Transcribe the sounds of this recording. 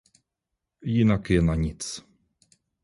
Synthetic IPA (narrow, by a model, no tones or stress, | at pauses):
jinakjɛnaɲit̪s